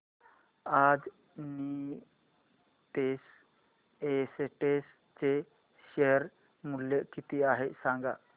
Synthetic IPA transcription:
ad͡z | ni | t̪es | eseʈes | t͡se | ɕeəɾ | muljekit̪iaɦesãŋɡa̰

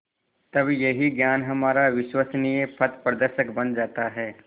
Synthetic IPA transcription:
t̪ɐbjɐɦiɡjaːnɦɐmaːɾaʋɪʃwəsnijepʰɐt̪pɾəd̪əɾʃəkbɐnd͡ʒaːt̪aɦɛː

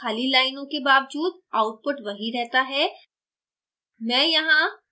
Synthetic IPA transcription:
aːlilaːɪnõkebaːʋd͡ʒuːd̪aːʊʈ̚pʊʈʋɐɦiɾɛɦt̪aɦɛː | mɛ̃ːjɐɦã

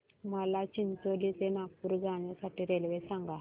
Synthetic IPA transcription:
məlat͡ɕint̪olit̪enapuɾɡaɽ̃jasaʈiɾelʋesãŋɡa

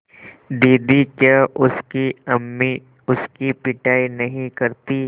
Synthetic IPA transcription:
d̪iːd̪ikjaʊskiɐmːi | ʊskipɪʈaːinɐɦĩkɐɾt̪i

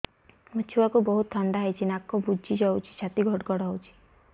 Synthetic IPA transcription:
mut͡ʃʰuakubɔɦut̪ʰːɔɳɖaɦajt͡ʃʰinakːɔbud͡ʒid͡ʒɔwt͡ʃʰi̥t͡ʃʰat̪iɡʱɔɽɡɔɽɔɦowt͡ʃʰi̥

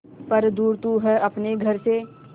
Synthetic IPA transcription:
pɐɾd̪uːɾt̪uɦɛʔɐpneɡʱɐɾse

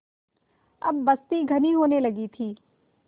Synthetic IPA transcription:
ɐbːɐst̪iɡʱɐniɦoːnelɐɡit̪ʰiː

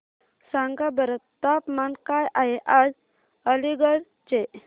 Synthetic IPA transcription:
saŋɡabəɾət̪t̪apmankajʔaɦeʔad͡z | əliɡəɽ | t͡ɕe

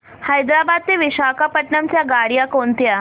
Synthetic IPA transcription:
hajd̪ɾabad̪̚t̪eʋiɕakapəʈɳamt͡ɕjaɡaɽijakont̪ja

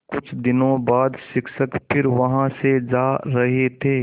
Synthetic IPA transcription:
kʊt͡ʃʰd̪ɪnõbaːd̪ʃɪksəkpʰɪɾʋɐɦãsed͡ʒaːɾɐɦet̪ʰeː

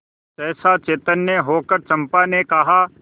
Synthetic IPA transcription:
t̪ɛːsat͡ʃeːt̪ənːeɦoːkəɾt͡ʃɐ̃mpanekɐɦa

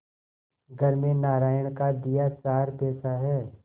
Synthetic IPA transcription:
ɡʱɐɾmẽnaːɾaːjəɽ̃kad̪ɪjat͡ʃaːɾpɛːsaɦɛː

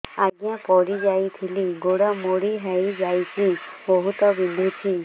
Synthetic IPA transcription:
aɡjãpɔɽid͡ʒajt̪ʰiliɡoɽamoɽiɦɛjd͡ʒajt̪ʰibɔɦut̪ɔbid̪ʱit͡ʃʰi

